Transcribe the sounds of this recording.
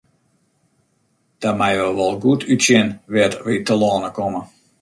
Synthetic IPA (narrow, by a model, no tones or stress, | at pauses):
d̥amɛjʋɔlˠʋɔlˠɡutʰytsjɪnʋɪtritəlɔːnəkɔmə